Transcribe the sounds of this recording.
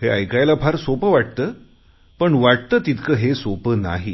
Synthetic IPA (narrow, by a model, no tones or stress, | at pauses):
heəjkajlapʰaɾsopəʋaʈ̚t̪əː | pəɳʋaʈ̚t̪əːt̪it̪kʰəɦesopəna̰ɦi